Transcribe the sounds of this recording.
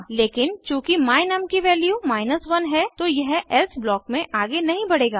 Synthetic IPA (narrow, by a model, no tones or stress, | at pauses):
leːkɪnt͡ʃũːkimaːɪnɐmkiʋɛːljumaːɪnəsʋɐnɦɛt̪ojɐɦɛlsblɔːkmẽʔaːɡenɐɦĩbɐɽeːɡaː